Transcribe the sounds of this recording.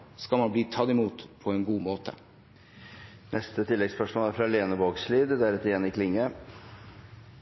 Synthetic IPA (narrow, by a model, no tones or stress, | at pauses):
skɑlmɑnbliːt̪ʰɑd̪ɪmuːt̪pʰɔɛːnɡuːmoːt̪ʰə̰ | nʔɛst̪ət̪ʰɪlːɛɡspœʂmoːlæɾfɾɑleːnəboːɡsliːd̪d̪ɛæːɾɛt̪jɛːnɪkʰlɪŋːə